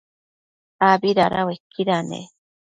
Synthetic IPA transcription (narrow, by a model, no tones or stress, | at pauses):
abiɾaɾʔa̰wekiɾanḛ